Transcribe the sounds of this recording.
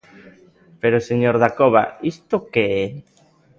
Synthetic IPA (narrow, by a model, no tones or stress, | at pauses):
peɾoseɲoɾðakoβa̰ist̪okee